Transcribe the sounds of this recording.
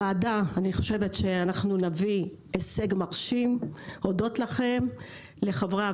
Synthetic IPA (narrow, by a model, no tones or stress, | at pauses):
aːdaaniχo̞ʃe̞ve̞tʃe̞anaχnunavi | eseɡmaʁʃimo̞do̞tlaχe̞m | le̞χavʁa